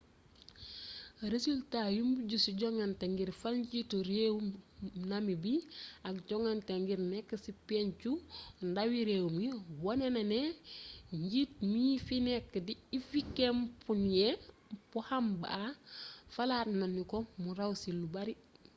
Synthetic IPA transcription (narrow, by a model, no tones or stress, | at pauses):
ɾesultajumbuɟusuɟɔŋanteŋɡiɾfalɲɟitoɾewunamibiakɟɔŋanteŋɡiɾnɛkːəsipent͡ʃundawiɾeːwmiwɔnenɐne | ɲɟit̚miːfinɛkːədiifikempunje | pɔhamba̰ | fɐlaːtnanikomuɾawsilːubaɾi